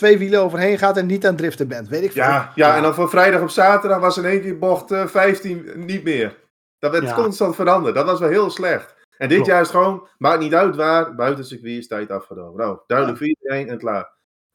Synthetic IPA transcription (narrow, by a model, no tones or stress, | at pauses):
tʋeːʋiləoːvərɦeːnxaːtɛnnitaːndrɪftəbɪntʋeːtɪkfjajaɛndɔnfofrɛjdɑxopsaːtərdɑxʋasəneːnkɪboxtfɛjftinnitmɪər | d̥ɔtʋɛkɔnstɑntfəɾɑndərtdɔtʋɔs̬ʋɛlˠɦɪəlˠslɛxt | ɛndɪtjaːstxəʋoːnmaknitœɥtʋaːrbœɥtənsəkʋiəstɛjtafxədo̰ːmənoːdœɥdləkfiːejnɛnklaːr